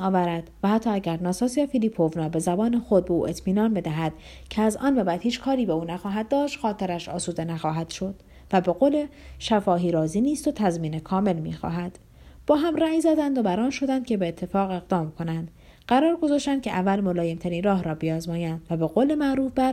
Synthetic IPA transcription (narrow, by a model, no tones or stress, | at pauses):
ɒːvæɾæd̪̥væhæt̪ʰːɒːæɟæɾnɒːsɒːsijɑfiliːpʰovnɒːbe̞zæbɒːnexo̞d̪̚beṵːʔe̞t̪ʰmiːnɒːnbe̞d̪æɦæd̪̥ | cʰeæzɒ̰ːnbæbæd̪hiːt͡ʃkʰɒːɾiːbeuːnæxɒːɦæd̪̚ːɒːʃt̪xɒːt̪ʰe̞ɾæʃɒ̰ːsuːd̪e̞næxɒːɦæd̪̥ʃo̞d̪̥ | væbe̞ɣoːle̞ʃæfɒːɦiːɾɒːziːniːst̪ot̪ʰæzmiːnekʰɒːme̞lmḭːxɒ̰ːɦæd̪̥ | b̥ɒːɦæmræːjzæd̪ænd̪obæɾɒːnʃo̞d̪ænd̪̥̚cʲʰe̞beːt̪ʰːe̞fɒːɣe̞ɣd̪ɒːmkʰo̞nænd̪̥ | ɢæɾɒːɾɡo̞zɒːʃt̪ænd̪kcʰeʔævːælmo̞lɒːje̞mt̪ʰæɾiːnrɒːɦɾɒːbijɒːzmɒːjænd̪̥væbe̞ɣoːle̞mæʔɾuːfbæɾ